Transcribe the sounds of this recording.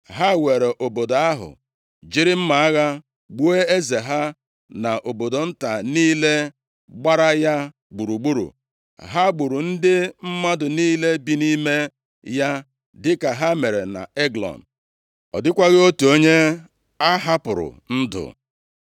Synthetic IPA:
ɦa˦we˨ɾe˨ʔo˨bo˨do˨a˦ɦʊ̰˨ | d͡ʒi˦ɾɪ˦m̩˦ma˨a˦ɣa˦ | ɡ͡bu˦e˦e˦ze˨ɦa˦ | na˨ʔo˨bo˨do˨n̩˦ta˨niː˦le˦ | ɡ͡ba˦ɾa˦ja˦ | ɡ͡bu˨ɾu˨ɡ͡bu˦ɾṵ˨ | ɦa˦ɡ͡bu˨ɾu˨n̩˦dɪ˦m̩˦ma˦dʊ˨niː˦le˦bi˦ni˦me˦ | ja˦ | dɪ˦ka˨ɦa˦me˨ɾe˨na̰˨e˦ɡlɔ̰˨n̩˨ | ɔ̰˨dɪ˦kʷa˦ɣɪ˦o˦tu˨o˦ɲe˦ | a˦ɦa˦pʊ˨ɾʊ̰˨ | n̩˦dʊ̰˨

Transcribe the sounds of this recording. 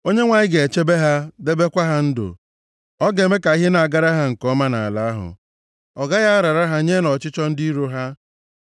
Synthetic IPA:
o˦ɲe˦ŋʷa˨ɲɪ˦ɡe˨e˨t͡ʃe˦be˦ɦa˦de˦be˦kʷa˦ɦa˦n̩˦dʊ̰˨ | ɔ˦ɡe˨me˦ka˨i˦ɦe˦na˨a˨ɡa˦ɾa˦ɦa˦ŋ̩˨kɔ˦ma˦na̰˨a˨la˨a˦ɦʊ̰˨ | ɔ˨ɡa˦ja˦ɾa˨ɾa˦ɦa˦ɲe˦nɔ˨t͡ʃɪ˦t͡ʃɔ˦n̩˦di˦i˦ɾo˦ɦa˦

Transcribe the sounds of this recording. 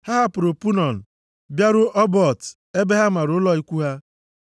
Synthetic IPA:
ha˦ɦa˦pʊ˨ɾʊ˨pu˦nɔ˨n̩˨ | bja˦ɾʊ˦ʔɔ˦bɔ˨t | e˦be˦ɦa˦ma˨ɾʊ˨ʊ˦lɔ˦i˦kʷu˦ɦa˦

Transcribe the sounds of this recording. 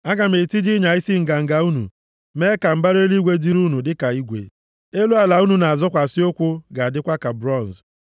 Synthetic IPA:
a˦ɡa˨m̩e˨ti˦d͡ʒi˦ɲa˨ɪ˦si˦ŋ̩˨ɡa˨ŋ̩˨ɡa˨u˦nṵ˨ | me˦ka˨m̩˦ba˦ɾe˦li˦ɡʷe˦di˦ɾu˦nu˨dɪ˦ka˨i˦ɡʷḛ˨ | e˦lu˦a˨la˨u˦nu˨na˨a˨zɔ˦kʷa˨sɪ˦o˦kʷʊ˦ɡa˨a˨dɪ˦kʷa˦ka˨bɾɔ˦˨n˨z

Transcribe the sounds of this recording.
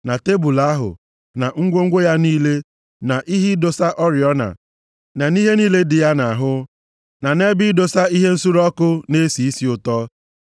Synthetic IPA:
na˨te˦bu˨la˦ɦʊ̰˨ | na˨ŋ̩˦ɡʷo˦ŋ̩˦ɡʷo˦ja˦niː˦le˦ | na˨ʔi˦ɦi˦do˨sa˦ʔɔ˦ɾjɔ˦na̰˨ | na˨ni˦ɦe˦niː˦le˦dɪ˨ja˦na˨a˨ɦʊ˦ | na˨ne˦bi˦do˨sa˦i˦ɦe˦n̩˦su˦ɾɔ˦kʊ˦ne˦si˨i˦si˨ʊ˨tɔ˦

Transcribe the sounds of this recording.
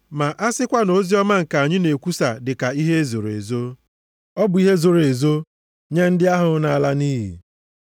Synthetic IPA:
ma˨ʔa˦sɪ˦kʷa˦no˦zi˦ɔ˦ma˦ŋ̩˨ka˨a˨ɲɪ˦ne˨kʷu˦sa˨dɪ˨ka˨i˦ɦe˦e˦zo˨ɾḛ˨zo˦ | ɔ˦bʊ˨i˦ɦe˦zo˨ɾe˨zo˦ | ɲe˦n̩˦dɪ˦a˦ɦʊ˨na˨a˨la˦niː˦ɦḭ˨

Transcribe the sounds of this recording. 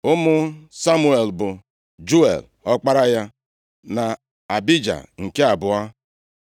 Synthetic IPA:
ʊ˦mʊ˦sa˦mu˦e˨lbʊ˨ | d͡ʒu˦ḛ˨l | ɔ˦k͡pa˦ɾa˦ja˦ | na˨ | a˨bi˦d͡ʒa̰˨ŋ̩˨ke˦a˨bʊ˨a˦

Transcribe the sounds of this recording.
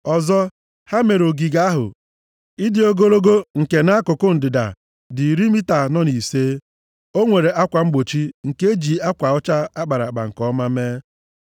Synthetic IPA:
ɔ˨zɔ˦ | ha˦me˨ɾo˨ɡi˨ɡa˦a˦ɦʊ̰˨ | i˦dɪ˨o˦ɡo˦ɾo˦ɡo˦ŋ̩˨ke˨na˦a˦kʊ˨kʊ˦n̩˨dɪ˨da̰˨ | dɪ˨ɾi˦mi˦ta˨nɔ˦ni˨seː˦ | o˦ŋʷe˨ɾe˨ʔa˦kʷa˨ŋ͡m̩˦ɡ͡bo˨t͡ʃi˦ŋ̩˨ke˦d͡ʒi˨a˦kʷa˨ʊ˦t͡ʃa˦a˦ɡ͡ba˨ɾa̰˨k͡pa̰˨ŋ̩˨kɔ˦ma˦meː˦

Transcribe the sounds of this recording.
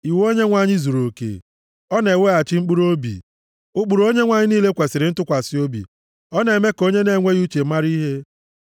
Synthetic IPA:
i˨wo˦ɲe˦ŋʷa˨ɲɪ˦zu˨ɾo˨kḛ˨ | ɔ˦ne˨we˦a˨t͡ʃɪ˦ŋ͡m̩˦k͡pu˦ɾo˦bḭ˨ | ʊ˦k͡pu˨ɾo˦ɲe˦ŋʷa˨ɲɪ˦niː˦le˦kʷe˨sɪ˨ɾɪ˨˦n̩˦tʊ˦kʷa˨sɪ˦o˦bḭ˨ | ɔ˦ne˨me˦ko˦ɲe˦ne˨ŋʷe˦ju˦t͡ʃe˨˦ma˦ɾi˦ɦe˦

